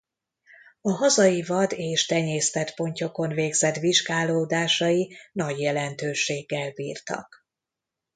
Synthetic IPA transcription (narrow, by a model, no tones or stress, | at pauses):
ɒɦɒzɒjivɒd̪eːʃt̪ɛɲeːst̪ɛt̪po̞ɲco̞ko̞nveːɡzɛt̪ʋiʒɡaːloːd̪aːʃɒjinɒɟjɛlɛnt̪øːʃeːɡːɛlbḭːrt̪ɒ̰k